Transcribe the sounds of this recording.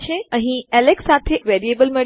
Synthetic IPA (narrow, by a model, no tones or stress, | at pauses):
ʃeɐ̃ɦĩɛleksaːt̪ʰeʋeːɾieːbəlmɪ